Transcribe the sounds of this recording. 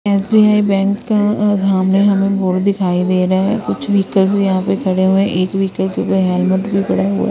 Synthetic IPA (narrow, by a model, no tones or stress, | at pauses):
eːsbiːaːibɛ̃ːŋkːasaːmneɦɐmẽboːɽd̪ɪkʰaːid̪eːɾaɛkʊt͡ʃʰʋiːkəlsjɐɦãpekʰɐɽeɦuẽʔeːkʋiːkəlkeʊpəɾɦɛːlmʊʈbʱipɐɽaɦṵa̰